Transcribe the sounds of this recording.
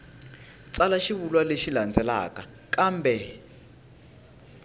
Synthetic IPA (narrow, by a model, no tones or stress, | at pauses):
t͡sʼalaʃiβulwaleʃiland͡zɛla̰ːka | kaːmbɛ